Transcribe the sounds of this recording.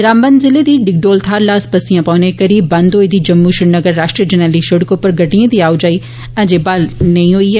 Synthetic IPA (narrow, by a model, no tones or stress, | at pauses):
ɾaːmbɐnzɪled̪iɖɪk̚ɖoːlt̪ʰaːɾlaːspɐsijãːpaːnẽkɐɾiːbɐ̃nd̪ʱɦoːid̪id͡ʒɐmːuʃʊɽnɐɡəɾːaːʃʈɾid͡ʒɐnɛːliʃʊɽkõpɐɾɡʱɐʈijãd̪iaːud͡ʒaːi | ɐ̃d͡ʒebaːlnɐɦĩɦoːiɦɛː